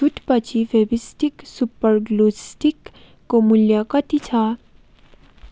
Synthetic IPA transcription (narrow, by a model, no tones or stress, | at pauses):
ut̪pɐt͡ʃiʋebisʈiksupəɾɡlusʈikː | omuljakat̪it͡ʃʰa